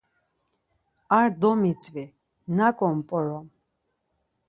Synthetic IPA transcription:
aɾd̪ɔmit͡sʼvi | nakʼɔmpʼɔɾɔm

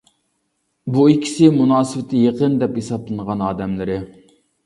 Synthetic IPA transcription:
buikʲʰːi̥sɪmunɑːsɨvɪt̪ʰɪjeqənd̪ɛphesɑp̚lˠɨnəʁɑnɑːd̪ɛmlɪɾɪ

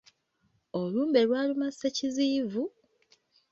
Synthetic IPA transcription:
oluːmbe̞lwaːlumaseciziːvu

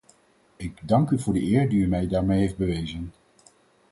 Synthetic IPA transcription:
ɪɡdɑŋkyvʊːɹdəʔɪːɹdiymɛjdaːɹmejɦejfd̚bəʋejzən

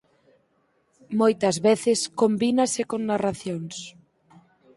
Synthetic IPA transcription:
mojt̪ɐzβeθɪskombinasekoŋnaraθjoŋs

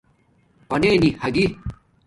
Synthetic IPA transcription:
pɐneːnihɐɡi

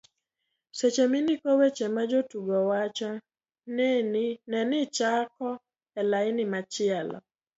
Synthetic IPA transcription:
set͡ʃemɪnikowet͡ʃemad͡ʒotuɡɔwat͡ʃɔ | nenɛnɪt͡ʃakɔ | ɛlaɪnɪmat͡ʃɪalɔ̰

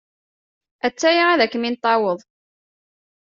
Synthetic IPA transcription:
æt͡sːæjiæðækːmint̪ˤːɑwəðˤ

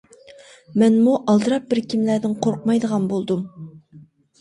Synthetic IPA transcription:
mɛnmuʔɑlˠd̪ɨɾɑp̚bɪɾkʲʰimlæd̪ɪŋqʰoɾqmɑjd̪əʁɑnbolˠd̪um

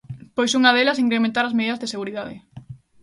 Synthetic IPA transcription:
pojsuŋɐðelɐsiŋkɾemẽnt̪aɾɐzmeðiðɐzðeseɣuɾiðaðɪ̰

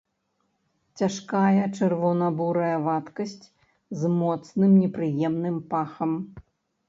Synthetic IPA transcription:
t͡sʲaʂkajɐt͡ʂɛrvɔnɐbuɾɐjɐvat̪kɐsʲt͡sʲ | zmɔt̪snɨmnʲɛpɾɨjɛmnɨmpaxɐm

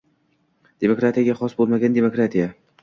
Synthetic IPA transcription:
d̪̥e̞mokɾat̪ʰijaɡʲaχɒsbolˠmaɡʲand̪e̞mokɾat̪ʰija

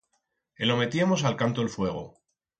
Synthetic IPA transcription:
elo̞me̞t̪iamo̞salkant̪oelfwe̞ɣ̞o̰

